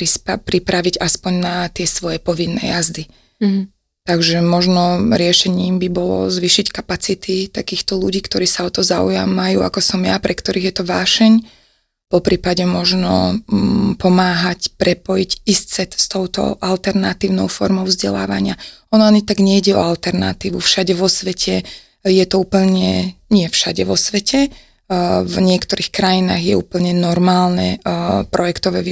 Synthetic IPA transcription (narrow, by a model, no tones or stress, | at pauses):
pɾispapɾipɾaʋiɟaspɔɲnat̪ɪɛsʋɔjɛpɔʋinːɛ̰jazd̪i | t̪aɡʒɛmɔʒnɔɾɪɛʃɛɲiːmbibɔlɔ̰zʋiːʃickapat͡sit̪ʰit̪akiːxt̪ɔluɟiːkt̪ɔɾiːsaɔt̪ɔzaṵja̰mːajṵːa̰kɔsɔmjapɾɛkt̪ɔɾiːɣjɛt̪ɔʋaːʃɛɲ | pɔpɾiːpaɟɛmɔʒnɔ̰ | pɔmaːɦacpɾɛpɔjicissɛt̪st̪ɔʊt̪ɔ̰ʔalt̪ɛɾnat̪iːʊnɔʊfɔɾmɔʊvzɟɛla̰ːʋa̰ɲɪa | ɔnɔaɲit̪aɡɲɛiɟɛɔ̰alt̪ɛɾna̰t̪iːʋufʃaɟɛʋɔsʋɛcʰɛ | jɛt̪ɔuːpl̩ɲɛɲɪɛfʃaɟɛʋɔsʋɛcʰɛ | vɲɪɛkt̪ɔɾiːxkɾajina̰ːɣjɛuːpl̩ɲɛnɔɾmaːlnɛ̰pɾɔjɛkt̪ɔʋɛːʋi